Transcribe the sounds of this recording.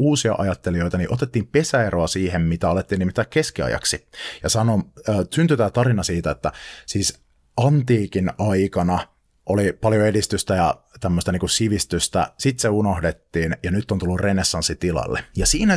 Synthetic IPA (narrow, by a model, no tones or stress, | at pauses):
uːsiɑʔɑjɑt̪ːelijo̞jt̪ɑniʔo̞t̪et̪ːiːmpe̞sæeɾoɑsiːɦemmit̪æɑlet̪ːiːnːimit̪ːæːkkeskiɑ̰jɑ̰ksijɑsɑnoːsynt̪yt̪æːt̪ɑɾinɑsiːt̪æet̪ːæsiːs | ɑnt̪iːkinɑjkɑnɑ | ʔolipɑljoe̞dist̪yst̪æjɑ | t̪æmːøst̪ɑniːŋkusiʋist̪yst̪æ̰sit̪seuno̞hdet̪ːiːnjɑnyt̪ːont̪ulːurrenesːɑnsːit̪ilɑ̰lːḛjɑsiːnæ